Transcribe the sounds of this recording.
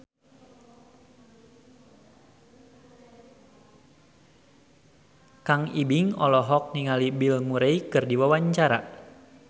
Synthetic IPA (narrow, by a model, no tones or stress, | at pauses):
kaŋibiŋɔlɔɦɔk̚niŋalibilmuɾejkɨrdiwawaɲt͡ʃaɾa̰